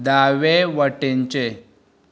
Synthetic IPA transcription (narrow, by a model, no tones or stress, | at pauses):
d̪aʋeʋəʈeɲt͡ɕe